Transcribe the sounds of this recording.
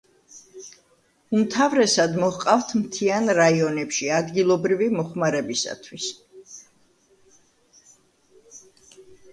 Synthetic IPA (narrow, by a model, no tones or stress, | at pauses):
umt̪ʰavɾɛsad̪mɔhqʼavt̪ʰmt̪ʰianɾaiɔnɛpʃiad̪ɡilˠɔbɾivimɔχmaɾɛbisa̰t̪ʰwis